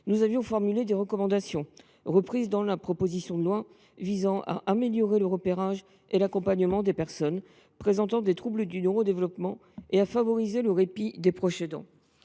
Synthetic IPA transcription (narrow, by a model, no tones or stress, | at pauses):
nuzavjɔ̃fɔʁmyled̪eʁəkɔmɑ̃d̪asjɔ̃ | ʁəpχizd̪ɑ̃lapχɔpozisjɔ̃d̪əlwa | vizɑ̃ʔa̰ʔameljɔʁeləʁəpeʁaʒ | elakɔ̃paɲəmɑ̃d̪epɛʁsɔn | pχezɑ̃t̪ɑ̃d̪et̪χubləd̪ynøʁod̪evlɔpmɑ̃ | eafavɔʁizeləʁepid̪epχɔsed̪ɑ̰̃